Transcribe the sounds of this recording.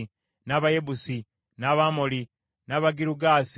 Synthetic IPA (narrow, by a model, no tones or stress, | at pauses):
naβaje̞busi | naβamoli | naβaɡiɾuɡaːs